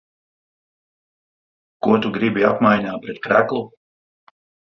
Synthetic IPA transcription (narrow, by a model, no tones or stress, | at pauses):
kuɔt̪uɡɾibiapmajɲaːpɾɛt̪̚kɾæklˠu